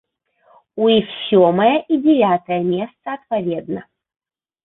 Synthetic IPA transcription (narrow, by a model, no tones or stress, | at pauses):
uixsʲoməjəʔidʲɪvʲat̪əjəmʲest̪səɐt̪pɐvʲed̪nə